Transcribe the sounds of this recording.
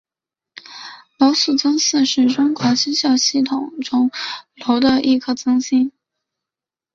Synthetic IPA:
lo˧˥ʊsu˥˩t͡sɤ˥ŋs̩˥˧ʂɻ̩˥˩ʈ͡ʂʊ˥ŋkʰɑ˧˥ɕi˥nɕjɑ˥˧ʊɕi˥˩t̪ʰʊ˨˩˦ŋʈ͡ʂʊ˥ŋlo˧˥ʊd̪ə˧ʔi˥˧kʰɤ˥˩t͡sɤ˥ŋɕi˥n

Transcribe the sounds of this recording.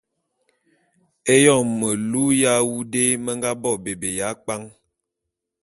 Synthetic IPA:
e˦jɔ˦˨mːə˨lu˦ja˦wu˦de˦mə˦ŋɡa˦bɔ˦˨be˨be˨ja˨˦k͡pa˦ŋ

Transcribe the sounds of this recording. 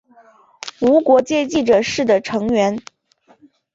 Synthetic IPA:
u˧˥kwɔ˧˥t͡ɕjɛ˥˧t͡ɕi˥˩ʈ͡ʂɤ˨˩ʂɻ̩˥˩d̪ə˩ʈ͡ʂʰɤ˧˥ŋɥɛ˧˥n

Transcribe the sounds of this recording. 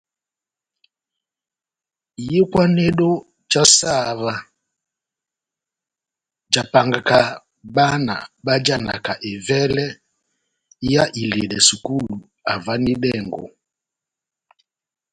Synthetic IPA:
i˨jɛ˦kwa˦nɛ˦ɗɔ˦ | t͡ʃa˦sa˦˨βa˨ | d͡ʒa˨pa˨ŋɡa˨ka˨ | ɓa˦na̰˨ɓa˦d͡ʒa˦na̰˨ka˨ʔɛ˨vɛ˦lɛ˦ | ja˦ʔi˨lɛ˨lɛ˨su˨ku˦lu˨ | a˨va˦ni˦ɗɛ˦˨ŋɡ̰ɔ̰˨

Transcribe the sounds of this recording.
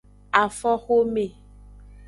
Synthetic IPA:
a˨fɔ˦xo˦me˨

